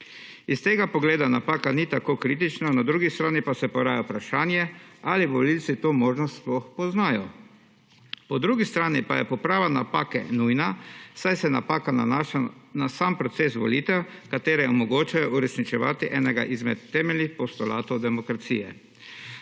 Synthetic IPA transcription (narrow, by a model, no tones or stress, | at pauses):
ist̪eːɡapɔɡleːd̪anapaːkanit̪akoːkɾit̪̬it͡ʃnanad̪ɾuːɡist̪ɾaːnipasɛpɔɾaːjɛpɾaʃaːnjɛaliʋɔlilt̪sit̪oːmoːʒnɔst̪splɔxpɔznaːjɔ | pɔd̪ɾuːɡist̪ɾaːnipajɛpɔpɾaːʋanapaːkɛ̰nujnasajsɛnapaːkana̰naʃanasampɾɔt̪seːsʋɔ̰lit̪ɛwkat̪eːɾɛɔmɔɡoːt͡ʃajɔʔuɾɛsnit͡ʃɛʋa̰ːt̪iʔɛːnɛɡa̰ʔizmɛt̪ːɛːmɛlnixpɔst̪ɔlaːt̪ɔwd̪ɛmɔkɾat̪siːjɛ̰